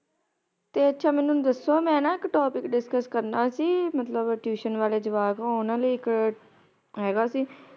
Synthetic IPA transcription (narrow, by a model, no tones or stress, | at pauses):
t̪eːətːʃʰaːmɛ̃ːnũːd̪əsːoːmɛ̃ːnãːɪkʈoːpɪkɖɪskəskəɾnaːsiːmət̪ləbʈjuːʃənʋaːleːd͡ʒəʋaːɡɦoːnãːləiːɪk | ɦɛːɡaːsiː